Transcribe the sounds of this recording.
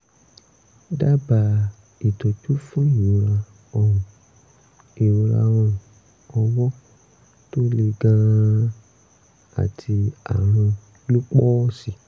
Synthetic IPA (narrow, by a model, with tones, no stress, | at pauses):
da˦ba˨ | i˨to˨t͡ʃu˦fũ˦i˦˨u˨˧ɾa˧ | ɔ˨ũ˨ | i˨˧ɾa̰˧ɾ̃ɔ̃˧ | ɔ˧wɔ˦ | to˦le˧ɡã˧ | a̰˨tʰi˧a̰˨ɾ̃ã˧ | lu˦k͡pɔ˦si˨